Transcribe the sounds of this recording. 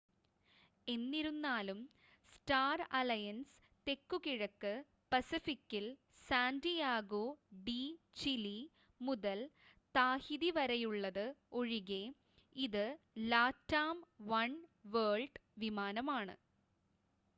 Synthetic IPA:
e̞nːiɾunːaːlum | sʈaːrɐlɐjɐns | t̪e̞kːukiɻɐkːɨ | pɐsifikːil | saːndijaːɡoːɖi | t͡ɕili | muðɐl | t̪aːhiðiʋɐɾɐjuɭːɐðɨoɻiɣe | iðɨ | laːtːaːmʋɐɳʋeːɭɖʋimaːnɐmaːɳɨ̰

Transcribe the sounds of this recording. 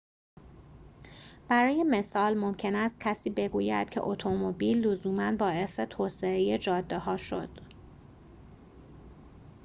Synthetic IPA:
b̥æɾɒːje̞me̞sɒːlmo̞mcʰe̞næst̪̚cʰæsiːbe̞ɡuːjæ̰d̪̥̚cʰḛʔot̪ʰomobiːlːozuːmænbɒːe̞se̞t̪ʰoːseejed͡ʒɒːd̪ːehɒːʃo̰d̪̥

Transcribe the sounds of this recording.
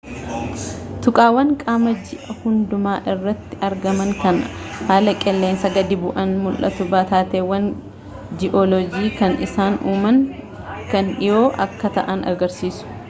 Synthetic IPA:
t̪ʊkʼaːwɐŋkʼaːmɐd͡ʒɪʔɐhʊnd̪ʊmaːʔɪrːɐt̪ːɪʔɐɾɡɐmɐŋkɐnɐhaːlɐkʼɛlːeːnsɐɡɐd̪ɪbʊʔɐnmʊlʔɐ̰t̪ʊbaːt̪aːt̪eːwɐn | d͡ʒɪʔɔlɔd͡ʒiːkɐnɪsaːnuːmɐŋ | kɐnɪjo̞ːʔɐkːɐt̪ɐʔɐnʔɐɡɐɾsiːsʊ̥

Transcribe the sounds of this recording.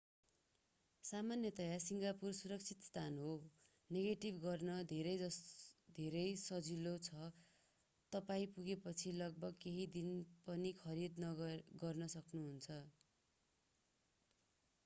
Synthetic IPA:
samanjʌt̪ʌjasiŋɡapursuɾʌk̚t͡sʰit̪st̪ʰanɦo | neɡeʈibɡʌrnʌd̪ʱeɾʌjʌd̪ʱeɾʌjsʌd͡zilot͡sʰʌ | t̪ʌpaĩpuɡepʌt͡sʰilʌɡ̚bʌɡkeɦid̪inpʌnikʰʌɾid̪nʌɡʌrnʌsʌknuɦunt͡sʰʌ

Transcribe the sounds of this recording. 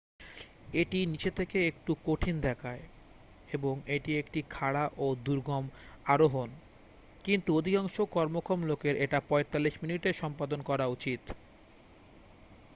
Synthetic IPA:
eʈinit͡ɕet̪ʰekeek̚ʈukoʈʰind̪ɛkʰae | eboŋeʈiekʈikʰaɽaʔod̪uɾɡʱɔmaɾoɦon | kint̪uod̪ʱikaŋʃokɔɾmokʰɾomlokeɾʔeʈapɔet̪alːiʃminiʈeɾʃɔmpad̪onkɔɾaut͡ɕit̪

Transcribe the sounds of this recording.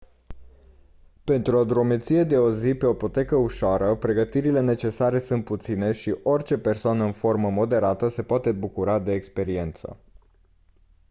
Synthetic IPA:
pe̞nt̪ɾuod̪ɾo̞me̞t̪sije̞d̪e̞o̞zipe̞oipo̞t̪e̞kəuʃoaɾəpɾe̞ɡət̪iɾile̞ne̞t͡ʃe̞saɾe̞sunt̪̚put̪sine̞ʃiʔo̞rʲt͡ʃe̞pe̞rsoanəɨnfo̞rməmo̞d̪e̞ɾat̪əse̞poat̪e̞bukuɾad̪e̞ːkspe̞ɾie̞nt̪sə̰

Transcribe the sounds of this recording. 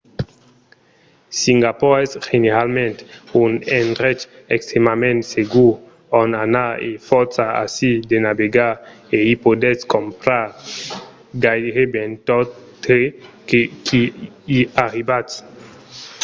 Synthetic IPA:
siŋɡapɔɛsʒeneʁalmɛ̃ntunɛnʁɛt͡ʃ | ɛkst̪ʁemamɛ̃ntseɡu | ɔnanaḛfɔsaa̰sidenabeɡa | eipodɛskɔ̃mpɾa | ɡajdʁebɛ̃ntɔtekekʰi | iaʁibat

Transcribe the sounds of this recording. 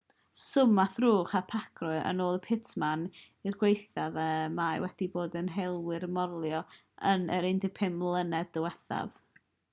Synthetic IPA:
sʊmaθruːχapʰakʰrɔɨʔə̰noːlˠəpʰɪtʰman | irɡwejθaðəmajwɛd̥iboːdənɦɛlˠwɪɾmɔrlˠjɔ | ənə̰ɾɪndɪpʰɪmlˠənɛdəwɛθa̰v

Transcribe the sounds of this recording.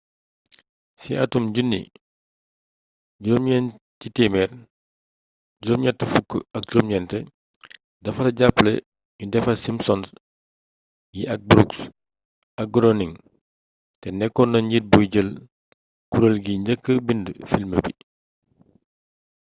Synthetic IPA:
sḭɐtumɟunːi | ɟɔːmɲɛn | citiːmɛr | ɟoːmɲɐtəfukːəɐk̚d͡ʒoːmɲɛntɛ | dɐfɐtɐɟapːlɛ | judɛfɐsimsɔns | jiʔɐk̚bɾuks | ɐk̚ɡɾɔniŋ | tɛnɛkːɔnɐɲɟit̚bujɟəl | kuɾəlɡiɲɟəkːəbində̰filmə̰bi

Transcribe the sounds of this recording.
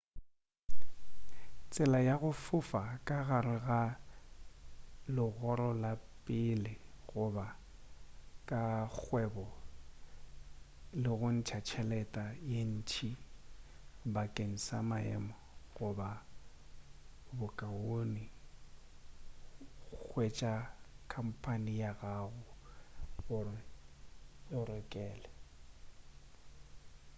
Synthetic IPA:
t͡sʼɪlajaɣʊfʊfakʼaɣarɪɣa | lɪɣɔɾɔlapʼɪlɪɣʊba | kʼak͡xʰwɛbɔ | lɪɣʊn̩t͡ʃʰat͡ʃʰɛlɛtʼajen̩t͡ʃʰi | bakʼeŋ̩samaɛ̰mɔ | ɣʊba | bʊkʼaoni | k͡xwet͡ʃʼakʰam̩pʰʼanɪjaɣaɣʊ | bʊ | ɔɾɛkʼɛːlɛ

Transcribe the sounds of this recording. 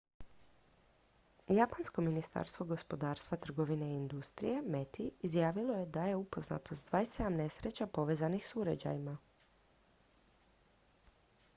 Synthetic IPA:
japansko̞minist̪a̰ːɾst̪ʋo̞ɡo̞spo̞d̪aːɾst̪ʋat̪r̩ɡo̞ʋine̞ːnd̪ust̪ɾḭje̞me̞t̪iizjaːʋilˠo̞je̞d̪aje̞upo̞zna̰t̪o̞st̪d̪ʋaːjsed̪amne̞sɾe̞t͡ɕapo̞ʋe̞ːzanixsuɾad͡ʑa̰jima

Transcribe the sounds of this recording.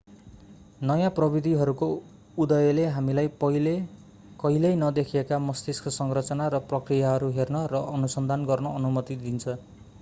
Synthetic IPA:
nʌjãprʌbid̪ʱiɦʌɾuko | ud̪ʌjʌleɦamilajʌle | kʌilʌjnʌd̪ekʰiekamʌst̪iskʌsʌŋrʌt͡sʌnaɾʌprʌkrijaɦʌɾuɦernʌrʌʔʌnusʌnd̪ʱanɡʌrnʌːnumʌt̪id̪int͡sʰʌ

